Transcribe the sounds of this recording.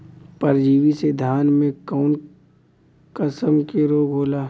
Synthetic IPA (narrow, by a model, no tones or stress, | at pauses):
pɐɾd͡ʒiːʋised̪ʱjaːnmẽkɔʊn | kəsəmkeɾoːɡɦoːlaː